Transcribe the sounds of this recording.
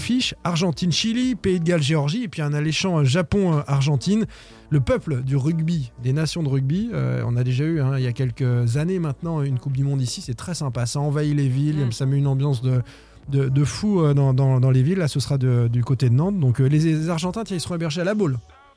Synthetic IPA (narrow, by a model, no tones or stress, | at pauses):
fiʃaʁʒɑ̃t̪inʃilipeid̪ɡalʒeɔʁʒiepɥiɛ̃naleʃɑ̃øʒapɔ̃øʔaʁʒɑ̃t̪in | ləpœpləd̪yʁyɡbid̪enasjɔ̃d̪əʁyɡ̚biø̰ɔ̰̃nad̪eʒayɛ̃iljakʲɛlkəzanemɛ̃t̪nɑ̃ynkup̚d̪ymɔ̃d̪isisɛt̪χɛsɛ̃pasaɑ̃vailevilsamɛynɑ̃bjɑ̃sd̪ə | d̪əd̪əfuød̪ɑ̃d̪ɑ̃d̪ɑ̃levilːasəsχad̪əd̪ykot̪ed̪ənɑ̃t̪̚d̪ɔ̃klezaʁʒɑ̃t̪ɛ̃t̪jɛ̃ilsəʁɔ̃ebɛʁʒealabol